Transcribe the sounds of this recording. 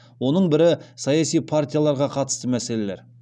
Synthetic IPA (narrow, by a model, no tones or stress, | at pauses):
wo̞nəɴbɪɾɪsɑjɑsijpʰart̪ʲijalˠɑɾʁɑqʰɑt̪ə̥st̪əmæsele̞le̞ɾ